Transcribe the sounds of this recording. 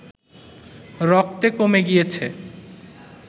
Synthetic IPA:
ɾɔk̚ʰt̪ekomeɡijet͡ɕʰe

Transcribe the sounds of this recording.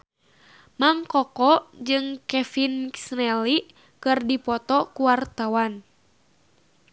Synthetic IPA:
maŋkɔkɔd͡ʒɨŋkɛfinsnɛli | kɨrdipɔt̪ɔkuwart̪awan

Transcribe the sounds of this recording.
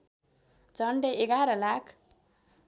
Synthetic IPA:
d͡zʌɳɖeeɡaɾʌlakʰ

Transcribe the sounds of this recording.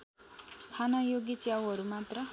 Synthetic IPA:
kʰanʌjoɡit͡sjawɦʌɾumat̪rʌ

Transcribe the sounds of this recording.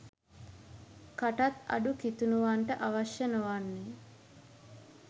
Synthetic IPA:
kaʈat̪ɐ̰ɖukit̪unuʋaɳʈəʔaʋaʃjənoʋanːe

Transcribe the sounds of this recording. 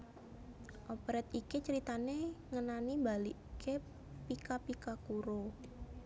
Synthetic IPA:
ʔopɾɛt̪ikit͡ʃəɾit̪aneŋənanimbaliʔkʰe | pikapikakuɾo

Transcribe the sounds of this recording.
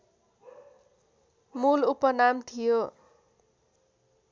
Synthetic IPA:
mulupʌnamt̪ʰijo

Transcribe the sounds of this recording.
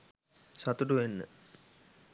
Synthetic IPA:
sat̪uʈuʋenːə̰

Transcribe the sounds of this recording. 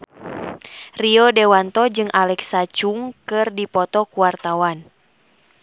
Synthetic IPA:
riɔdɛwant̪ɔd͡ʒɨŋʔalɛksat͡ʃuŋkɨrdipɔt̪ɔkuwart̪awan

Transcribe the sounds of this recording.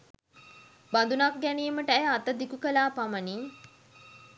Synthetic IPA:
bad̪unak̚ɡænijəməʈəæjat̪əd̪ikukəlaːpaməni

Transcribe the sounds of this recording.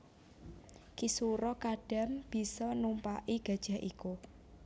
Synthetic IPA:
kisuɾɔkaɖ̥a̤mb̥i̤sɔnumpa̰ʔiɡ̥ä̤d̥ʒ̥a̤ɦʔiku

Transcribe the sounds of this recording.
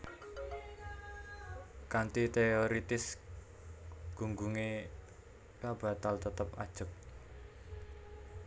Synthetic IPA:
kant̪it̪eoɾit̪ɪs | ɡ̥uŋɡuŋe | kab̥a̤t̪alt̪ət̪əpa̰d̥ʒ̥ə̤k̚

